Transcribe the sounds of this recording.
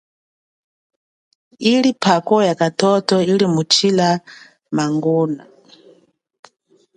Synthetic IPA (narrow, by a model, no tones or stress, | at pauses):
ilipʰakɔjakatʰɔtɔilimut͡ʃʰila | maŋɡɔːna̰